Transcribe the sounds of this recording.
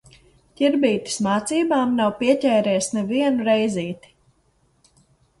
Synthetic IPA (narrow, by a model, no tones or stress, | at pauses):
cʲiɾbiːt̪i̥smaːt̪siːbaːmnawpiɛcʲɛːɾɛːsnɛviɛnuɾɛjziːt̪i̥